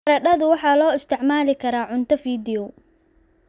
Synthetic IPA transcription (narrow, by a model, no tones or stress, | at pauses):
ɾɐɖɐðʊwɑħɑːlɔːɪst̪ʰɪʕmaːlɪkʰɐɾaːʕʊnt̪ʰɐfiːd̪ɪɔ